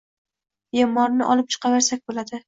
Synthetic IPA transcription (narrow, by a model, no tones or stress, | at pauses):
emːɒɾnɪʔɒlˠɪp̚t͡ʃʰɨ̥qʰɑveɾsak̚ʲbolad̪ɪ